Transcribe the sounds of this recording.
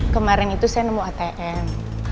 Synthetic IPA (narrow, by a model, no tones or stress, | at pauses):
kəmaɾɪŋit̪usajanəmuat̪eʔɛm